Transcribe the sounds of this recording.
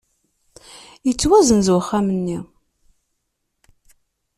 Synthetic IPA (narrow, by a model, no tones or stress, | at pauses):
jət͡sːwæzənzwəχːamənːi